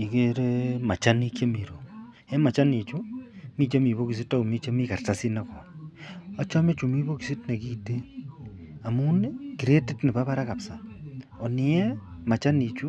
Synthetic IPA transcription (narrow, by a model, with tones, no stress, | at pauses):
i˨ke˦ɾe˦ma˨t͡ʃa˦ni˦kje˦mi˨ɾo˨ | e˦ma˨t͡ʃa˦ni˨t͡ʃu˦mi˦t͡ʃe˦mi˨βo˦ki˨s̬i˦ta˦u˨mi˦t͡ʃe˦mi˦ka˨rta˦si˦na˦kɔ˨na˦t͡ʃa˦me˦t͡ʃu˨mi˦bo˦ki˨si˦tne˨ki˦te˦ | a˨mu˦ne˦ki˨ɾe˦ti˦tni˨ba˦βa˦ɾa˦ka˨psa˨ɔ˨ni˨ɛ˦ma˨t͡ʃa˦ni˨t͡ʃu˦